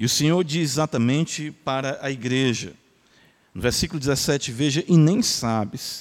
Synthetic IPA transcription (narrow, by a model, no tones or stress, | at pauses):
iʊsẽɲoɾd͡ʒizɪzat̪ɐmẽnt͡ʃɪpaɾɐʔɐiɡɾeʒɐ̰ | nʊveɾsikulʊd͡ʒizesɛt͡ʃɪveʒɐʔɪnẽj̃sabɪs